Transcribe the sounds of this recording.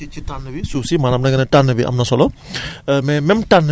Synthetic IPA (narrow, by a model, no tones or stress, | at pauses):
it͡ʃʰːitanːɯbisusimaɾamnaɡanetanːɯbiʔa̰mnasɔlɔ | mememʈanː